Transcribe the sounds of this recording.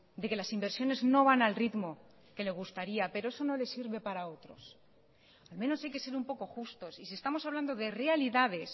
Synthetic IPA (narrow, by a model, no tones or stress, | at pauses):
d̪e̞ke̞lasimbe̞ɾsjo̞ne̞zno̞β̞analrit̪mo̞ | ke̞le̞zɣust̪aɾiape̞ɾo̞e̞so̞no̞le̞siɾβe̞paɾao̞t̪ɾo̞̰s | almẽ̞no̞sajke̞se̞ɾumpo̞ko̞xust̪o̞sisiest̪amo̞saβland̪o̞ðe̞realiðaðe̞s